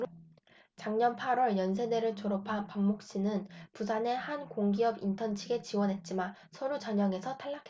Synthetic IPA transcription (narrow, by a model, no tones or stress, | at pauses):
t͡ɕaŋɲʌnpʰaɾwʌɭjʌns̬ʰe̞de̞ɾɯɭt͡ɕoɾʌpʰapamːok̚ɕ͈inɯnpusʰane̞hankoŋɡiʌbintʰʌnt͡ɕʰiɡe̞t͡ɕiwʌnɦe̞t̚t͡ɕ͈ima | sʰʌɾut͡ɕaɲʌŋe̞sʰʌtʰaɭːakʰe